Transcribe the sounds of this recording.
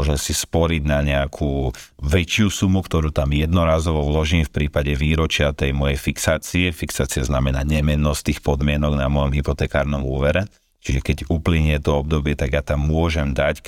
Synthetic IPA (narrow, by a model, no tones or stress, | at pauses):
ɔʒɛsispɔɾiɟnaɲɛakʰuːʋɛt͡ʃɪusumukt̪ɔɾuːt̪amjɛd̪nɔɾaːzɔʋɔʋlɔʒiːmfpɾiːpaɟɛʋiːɾɔt͡ʃɪat̪ɛjmɔjɛjfiksaːt͡siɛfiksaːt͡siaznamɛnaːɲɛmɛnːɔst̪iːxpɔd̪mɪɛnɔɡnamɔjɔmɦipɔt̪ɛːkaːɾnɔmuːʋɛɾɛ | t͡ʃiʒɛkɛɟupliɲɛt̪ɔɔb̚d̪ɔbɪɛt̪aɡjat̪amːʊɔʒɛmd̪ac